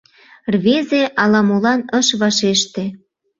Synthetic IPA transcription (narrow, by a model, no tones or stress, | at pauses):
rβezeʔɑlɑmolɑnəʃβɑʃeʃt̪e